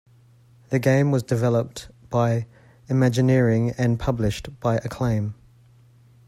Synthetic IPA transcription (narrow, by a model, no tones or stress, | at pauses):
ðɨɡẽɪ̃mwɒzdɨvɛlˠəp̚tb̥aɪ | ɪmæd͡ʒɨnɪəɹɪ̃ŋə̃npʰʌblɪʃtb̥aɪʔəkʰl̥ẽɪ̃m